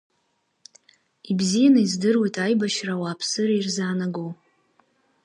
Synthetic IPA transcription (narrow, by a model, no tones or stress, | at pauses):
ibzijanaizdɨrwojtʼajbaʃrawaːpʰsɨɾairzaːnaɡow